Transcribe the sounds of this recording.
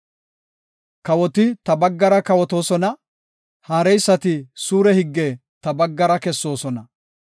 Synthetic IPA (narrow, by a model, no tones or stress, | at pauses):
kɐwɔt̪ɪt̪ɐbɐɡːɐɾɐkɐwɔt̪o̞ːsɔnɐ | haːɾɛjsːɐt̪ɪsuːɾɛhɪɡːe | t̪ɐbɐɡːɐɾɐkɛsːo̞ːsɔnɐ